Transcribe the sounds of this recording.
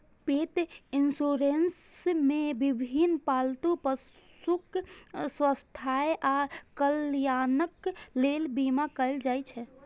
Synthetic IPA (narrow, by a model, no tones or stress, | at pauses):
pet̪insuɾens | mebibʱinpalt̪upəs | ukswəst̪ʰajeakəljanəklelbimakəɪld͡ʒajt͡ʃʰɛ